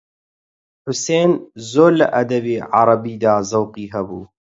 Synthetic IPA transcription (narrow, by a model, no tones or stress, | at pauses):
ħʊseːnzoːɾlɐ̰ʔɐd̪ɐbeːʕɑ̰ɾˤɑbiːd̪aːzɐwqiːɦɛbuː